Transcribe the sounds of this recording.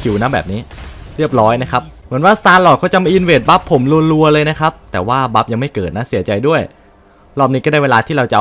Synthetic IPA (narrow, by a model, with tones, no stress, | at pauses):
kʰi˨˩wna˦˥bɛ̰ː˨p̚niː˦˥ɾi˥˩əp̚ɾɔː˦˥jna˦˥kʰa˦˥p̚mɯ˨˩˦ənwaː˥˩st̪aː˧nlɔː˨˩kʰɔ˧˩t͡ɕa˨ma˧jʔi˧nweː˨˩t̪̚ba˦˥pʰːo˩˦mlu˧ənɾu˧ɐlɤː˧jna˦˥kʰa˦˥p̚t̪ɛː˨˩waː˥˩ba˦˥p̚ja˧ŋma˥˩jkɤː˨˩t̪̚na˦˥si˩˦ɐt͡ɕa˧jdu˥˩əj | lɔː˥˩p̚niː˦˥kɔː˥˩aː˥˩weː˧laː˧t̪ʰiː˥˩ɾa˧wt͡ɕa˨